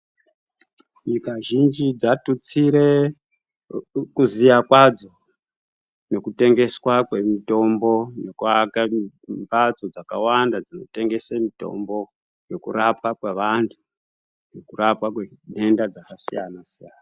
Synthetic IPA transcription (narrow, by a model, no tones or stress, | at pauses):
ɲikaʒind͡ʒid͡zatut͡siɾe̞ | kuzijakwad͡zo̞ | ne̞kute̞ŋɡe̞swakwe̞mito̞mbo̞nekuaka | mbat͡so̞d͡zakawandad͡zino̞̰te̞ŋɡe̞samito̞̰mbo̞ | je̞kṵɾapwakweʋantʰu̥ | je̞kurapwakweɗe̞ndad͡zakasijanasijaːna